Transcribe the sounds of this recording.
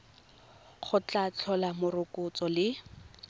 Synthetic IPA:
χʊt͡ɬat͡ɬʰɔlamʊrʊkʊt͡sɔlɪ

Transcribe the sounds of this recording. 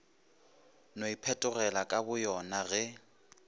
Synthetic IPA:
noipʰɛtʼʊrɛlakʼabʊjɔnaɣɛ

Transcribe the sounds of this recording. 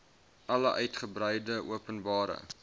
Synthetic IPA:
ʔɐləʔœɥtχəbrəjdəuəpənbɑːɾə̰

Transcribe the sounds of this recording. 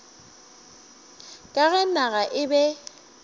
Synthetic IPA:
kʼaɣɛnaɣaʔɪbɛ

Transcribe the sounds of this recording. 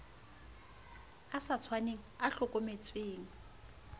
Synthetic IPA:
asat͡sʰwaneŋ̩aɬʊkʼomet͡sʰweːŋ̩

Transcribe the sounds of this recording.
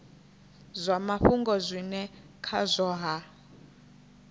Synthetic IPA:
zʷamaɸuŋɡɔzʷinɛ | kʰazʷɔːɦa

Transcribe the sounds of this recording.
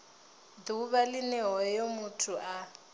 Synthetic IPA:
d̪uβalɪnɛɦɔjomutʰuʔa

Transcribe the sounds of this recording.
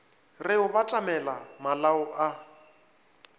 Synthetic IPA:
rɪʊbatʼamɛlamalaʊʔa

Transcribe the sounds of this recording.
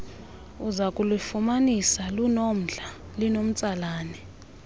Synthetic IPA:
uzakʼulifumanisalunom̩ɮa | linom̩t͡sʼalaːnɛ

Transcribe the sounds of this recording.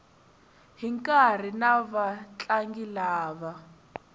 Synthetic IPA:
ɦiŋkʼar̤inaβat͡ɬʼaŋɡilaːβa

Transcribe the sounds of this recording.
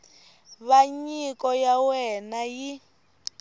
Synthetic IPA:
βaɲikɔjawɛnaji

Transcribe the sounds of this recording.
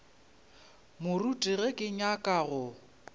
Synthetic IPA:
mʊrutʼiɣɛkʼɪɲakʼaɣʊ

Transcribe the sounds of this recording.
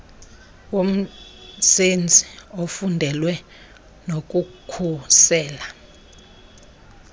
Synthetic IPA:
wom̩send͡zʱiofundʱɛlwɛ | nok̬ʼukʰusɛːla

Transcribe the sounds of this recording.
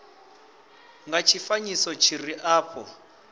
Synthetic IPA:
ŋɡat͡ʃʰifaɲisɔt͡ʃʰiriʔaːpʰɔ

